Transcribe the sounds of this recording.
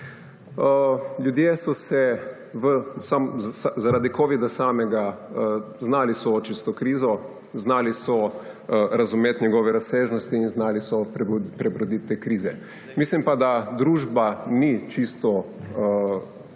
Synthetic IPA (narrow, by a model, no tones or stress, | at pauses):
əljud̪jesɔsɛ | ʋəsamazaɾaːd̪ikoːʋid̪asaːmɛɡaə | znaːlisɔt͡ʃist̪ɔkɾiːzɔ | znaːlisɔ | ɾazumeːt̪ɲɛɡoːʋɛɾaseːʒnɔst̪iːnznaːlisɔpɾɛbɾɔd̪it̪ːekɾiːzɛ | mislimpad̪ad̪ɾuːʒbanit͡ʃist̪ɔ